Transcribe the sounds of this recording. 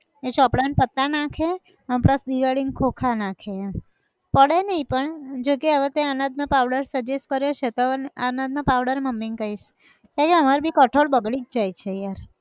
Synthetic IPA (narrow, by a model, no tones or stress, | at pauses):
et͡ʃɔpɽanpət̪ːanakʰe | ə̃mpɾəsd̪iʋaɽiŋɡkʰokʰanakʰe | pəɽenəɦĩpəɳd͡ʒokeəʋet̪eanad̪̚napaʋɽəɾsəd͡ʒeskəɾjot͡ʃʰet̪oanad̪napaʋɽəɾeməmːiŋɡkəiʃ | k̪aɾeəmaɾbʱikəʈʰoɭbəɡɭid͡ʒd͡ʒajt͡ʃʰejaɾ